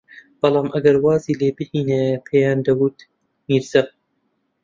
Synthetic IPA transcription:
b̥ɐlˠɑːmʔɐɡɐɾwɑːziːleːbɨhiːnepʰejɑːnd̪ɐwut̪ | miːɾzɐq̚

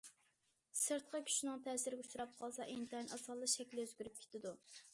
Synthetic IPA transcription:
səɾt̪̚qʰɑkʲʰy̥ʃinɨŋt̪ʰɛːsɪɾɪɡʲɛut͡ʃuɾɑp̚qʰɑlˠsɑʔent̪ʰɛnʔɑsɑlˠːɨʃɛkʲlɪøzɡʲyɾyp̚kʰʲe̥t̪ʰɪd̪u

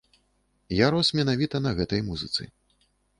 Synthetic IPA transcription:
jaɾɔsmʲɛnavʲit̪ɐnɐɣɛt̪ɐjmuzɨt̪sɨ̰

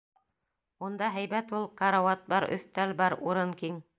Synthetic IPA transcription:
und̪ɑɦæjbæt̪ulˠkɑɾawɑt̪̚bɑɾɵ̰̆θt̪ælbɑɾuɾɤnkiŋ

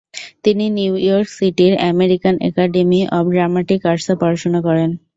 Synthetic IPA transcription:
t̪ininiwjɔɾksiʈiɾɛ̰meɾikanʔɛ̰kaɖemiʔɔpɖɾamaʈikaɾsapɔɾat͡ʃonakɔɾen

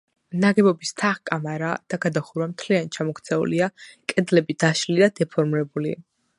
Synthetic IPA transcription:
naɡɛbɔbist̪ʰaχkʼamaɾad̪̥aɡad̪aχuɾwamt̪ʰliant͡ʃʰamɔkʰt̪sʰɛṵliakʼɛd̪lɛbid̪aʃlid̪ad̪̥ɛpʰɔɾmɾɛbuli

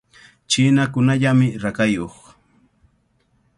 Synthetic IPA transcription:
t͡ʃɪnakʊnaʎamɪɾakajoχ

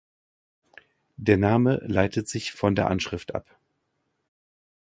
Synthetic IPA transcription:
d̥eːɐnaːmə̰laɪtətz̥ɪçfɔndeːɐʔanʃʁ̥ɪftʔa̰p

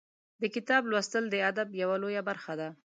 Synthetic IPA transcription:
d̪əkɪt̪ɑblwast̪əld̪əad̪abjawalojabaɾxad̪a

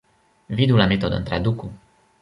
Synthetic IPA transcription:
vid̪ulamet̪od̪ə̰nt̪ɾa̰d̪uku

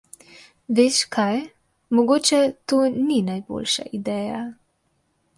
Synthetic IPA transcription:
ʋeːʃkʰaj | mɔɡoːt͡ʃɛt̪oːninajbo̰lʃa̰ʔid̪ɛːja

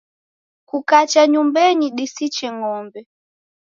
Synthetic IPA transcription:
kukat͡ʃaɲumbɛɲiɗisit͡ʃɛŋɔmbɛ

